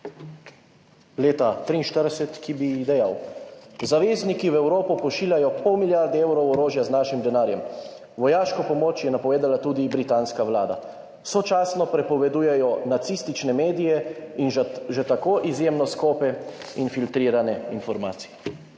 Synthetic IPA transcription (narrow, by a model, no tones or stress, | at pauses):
leːt̪at̪ɾiːnʃt̪əɾdɛsɛt̪kibid̪ɛjawzaʋeːznikiwɛwɾoːpɔpɔʃiːljajɔpʰɔwmiljaɾd̪ɛewɾɔwɔɾoːʒjaznaːʃimd̪ɛnaːɾjɛm | ʋɔjaːʃkɔpɔmoːt͡ʃjɛnapɔʋeːd̪alat̪uːd̪ibɾit̪aːnskaʋlaːd̪a̰ | wsot͡ʃaːsnɔpɾɛpɔʋɛd̪uːjɛjɔnat̪sist̪it͡ʃnɛmeːd̪ijɛinʒɛt̪akoːʔizjeːmnɔskoːpɛinfilt̪ɾiːɾanɛinfɔɾma̰ːt̪si̥jɛ